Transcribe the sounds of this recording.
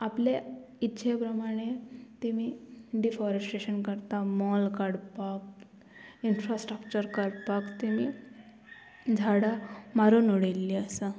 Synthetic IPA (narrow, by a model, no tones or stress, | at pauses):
aple | itːɕʰepɾəmaɽ̃et̪imiɖifɔɾesʈeɕənkəɾt̪amɔlkaɽpak̚ | infɾasʈɾəkt͡ɕəɾkəɽpakt̪imi | d͡zʱaɽamaɾonoɽelːiəsə